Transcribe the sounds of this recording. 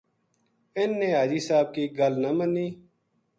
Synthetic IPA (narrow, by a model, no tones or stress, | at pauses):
ɪnːeːɦaːd͡ʒiːsaːb̚kiːɡəlnəməniː